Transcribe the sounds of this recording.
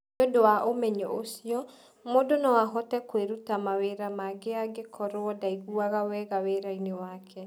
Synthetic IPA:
odowaʔomɛɲɔʔosiɔ | modonɔwaɦɔtɛkweɾutamaweɾamaɡeaɡekʰɔɾoɔdaiɣuaɣawɛɣaweɾainewakʰɛ

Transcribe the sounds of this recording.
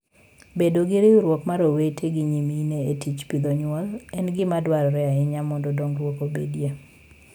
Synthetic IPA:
bedoɡɪɾɪʊɾwɔkmaɾowetʰeɡɪɲimineetit͡ʃpid̪oɲwɔlɛnɡɪmadwaɾɔɾɛaɪɲamɔndodoŋɾwokobḛdje

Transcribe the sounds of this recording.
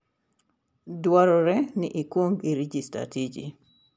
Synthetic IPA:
dwaɾɔɾɛnɪʔikwoŋɡiɾid͡ʒista̰tid͡ʒḭ

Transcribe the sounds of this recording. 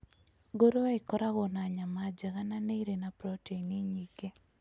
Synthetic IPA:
ɡoɾoeikɔɾaɣonaɲamad͡ʒɛɣananeiɾenapɾɔteiniɲiɡe

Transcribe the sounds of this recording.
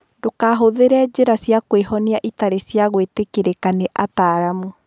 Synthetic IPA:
dokaːɦoðeɾɛd͡ʑeɾasjakweɦɔniaʔitaɾesjaɣwetekeɾekaneʔataɾamu

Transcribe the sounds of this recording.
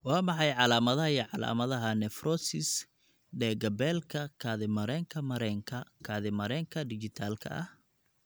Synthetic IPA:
wɑːmɑħɑjʕɑlaːmɐðɐɦɐjiʕɑla̰ːmɐðɐɦɐnɛfrɔsɪs | ɖɛːɡɐbɛlkʰɐkʰaːðɪmɐɾɛːŋkʰɐmɐɾɛːŋkʰɐkʰaːðɪmɐɾɛːŋkʰɐd̪ɪt͡ʃɪt̪ʰaːlkʰɐ̰ʔɐ̰h

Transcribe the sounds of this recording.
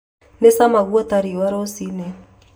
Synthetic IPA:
nesamaɣwɔtaɾiwaɾɔsinɛ

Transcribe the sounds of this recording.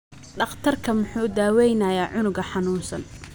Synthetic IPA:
ɖɑχt̪ʰɐrkʰɐmʊħuːd̪aːwɛjnɐjaːʕʊnʊɡɐħɑnuːnsɐ̰n

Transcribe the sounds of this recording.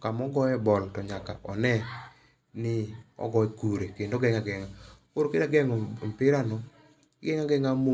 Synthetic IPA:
kamɔɡɔɛbɔltɔɲaka̰ʔɔnɛ | nɪɔ̰ɡɔɛkuɾekendoɡɛŋaɡɛŋa | oɾokedaɡɛŋɔmpɪɾanɔ | ɡɛŋaɡɛŋamo

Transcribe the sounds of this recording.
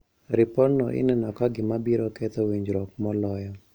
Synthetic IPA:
ɾipɔnɔ̰ʔɪ̰nɛnɔkaɡɪmabiɾɔkɛt̪ɔwiɲd͡ʒɾɔkmɔlɔjɔ

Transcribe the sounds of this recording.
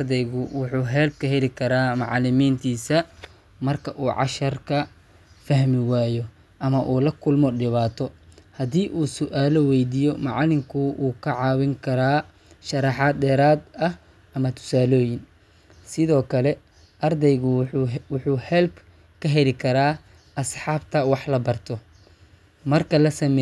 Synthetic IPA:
rd̪ɛjɣʊwʊħuːɦɛːlb̚kʰɐɦɛlɪkʰɐɾaːmɑ̰ʕlɪmiːnt̪ʰiːsɐ | mɐrkʰɐʔuːʕɑ̰ʃɐrkʰɐ | fɐɦmɪwaːjɔ | ʔɐmɐʔuːlɐkʰʊlmɔɖɪβaːt̪ʰɔhɐd̪iːʔuːsʊʔaːlɔwɛjd̪iːjɔmɑ̰ʕɑlɪmkʰʊʔuːkʰɐʕɑːwɪŋkʰɐɾaː | ʃɐɾɑħɑːd̪dɛːɾaːd̪ɐh | ɐmɐt̪ʰʊ̥saːlɔːjɪn | sɪðɔːkʰɐlɛ | ʔɐrd̪ɛjɣʊwʊħuːhɛlb | kʰɐɦɛlɪkʰɐɾaː | ʔɐsħɑːbt̪ʰɐwɑħlɐbɐrt̪ʰɔ | mɐrkʰɐlɐsɐmɛ

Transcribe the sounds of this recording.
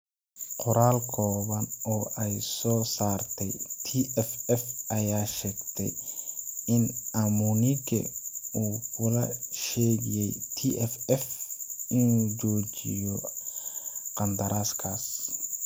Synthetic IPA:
qʊɾaːlkʰɔːβɐnɔːʔɛjsɔːsaːrt̪ʰɛjt̪ʰiʔɛfɛfʔɐjaːʃɛːɡt̪ʰɛ̰j | ɪnʔɐmunɪkʰɛ̰uːkʰʊlɐʃɛːɣɪjɛjt̪ʰiʔɛfɛfɪnuːt͡ʃɔːt͡ʃɪ̰jɔ | qɐnd̪ɐɾaːskʰaːs

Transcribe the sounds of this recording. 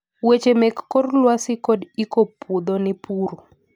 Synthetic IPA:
wet͡ʃemɛkːorlwasɪkodikopud̪onɪpuɾu

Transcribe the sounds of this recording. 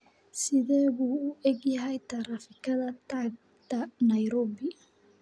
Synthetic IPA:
sɪðɛːβuːʔɛɡjɐɦɛjt̪ʰɐɾaːfɪkʰɐðɐt̪ʰaːɡ̚ | t̪ʰɐnɐjɾɔːbɪ

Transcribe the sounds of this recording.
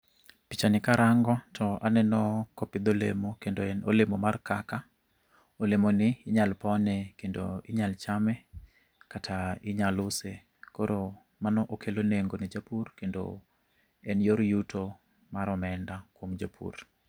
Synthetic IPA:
pit͡ʃanɪkaɾʔaŋɡɔtʰɔʔanɛnɔkɔpɪd̪olemokendono̰lemomarkaka | olemonɪːɲalpɔnɛkendo̰ɪɲalt͡ʃamɛ | katʰaɪɲalʊse | koɾo | manɔʔokʰeloneŋɡonid͡ʒapurkendo̰ | ɛnjoɾjutʰo | maɾɔmɛndakwomd͡ʒapʰṵr

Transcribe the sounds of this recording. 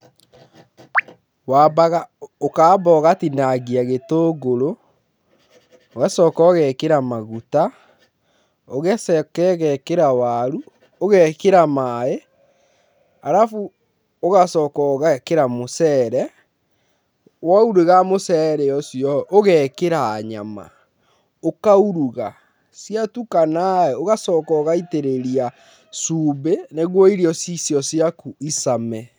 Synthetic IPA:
wabaɣaokaːbɔɣatinaɣiaɣetoːɡoɾo | oɣasɔkɔɣɛkeɾamaɣuta | oɣɛsɛkɛɣɛkeɾawaɾu | oɣɛːkeɾamae | aɾafu | oɣasɔːkɔɣakeɾamosɛːɾɛ | wauɾeɣamosɛɾɛjɔsjɔoɣɛːkeɾaːɲa̰ma̰ | okauɾuɣa | siatukanaɛoɣasɔkɔɣaiteɾeɾia | suːbeneɣwɔiɾiɔsisjɔsiakuisamɛ

